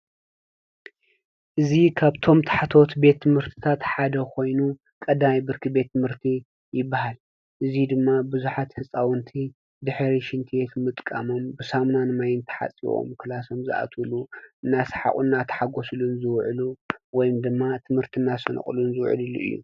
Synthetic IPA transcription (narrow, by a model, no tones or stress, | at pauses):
ʔɨzikʰaβt̪ʰo̞mt̪ʰḁħat̪ʰo̞t̪be̞t̪ʰːɨmhɨɾt̪ʰi̥t̪ʰat̪ħad̪ɐkʰo̞jnu | kʼɐd̪majbɨɾkʰɨbe̞t̪ʰːɨmhɨɾt̪ʰi | jɪbːahal | ʔɨzid̪ɨmːabɨzuħat̪hɨsʼawɨnt̪ʰi | d̪ɨħɾiʃɪnt̪ʰiet̪ʰmɨt̪ʼkʼa̰mo̞mbɨsamnanɨmajɪnt̪ʰħa̰t͡sʼḭwo̰mkʰɨlaso̞mzɨʔa̰t̪ʰuluʔɨnːasħa̰χʼṵnːat̪ʰħaɡo̞slunzɨwʕluwɔjɪmd̪ɨmːat̪ʰɨmhɨɾt̪ʰinːasɐnɨ̰χʼlunzɨwʕɨ̰lɨlːṵʔɨ̰jːṵ